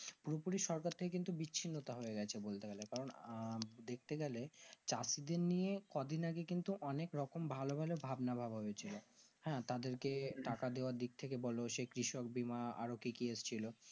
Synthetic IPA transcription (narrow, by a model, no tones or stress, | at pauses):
puɾopuɾiʃɔɾkaɾt̪ʰekekint̪ubiːinːot̪aɦoeɡɛt͡ɕʰebolt̪eɡɛlekaɾon | d̪ek̚ʰt̪eɡɛlet͡ɕasid̪eɾnijekɔd̪ʱinaɡekint̪uʔɔnekɾɔkombʱalobʱalebʱabnabʱabɦobet͡ɕʰilohɛ̃t̪ad̪eɾkeʈakad̪eoaɾd̪ik̚t̪ʰekebɔloʃekɾiʃok̚bimaa̰ɾokikiest͡ɕʰilo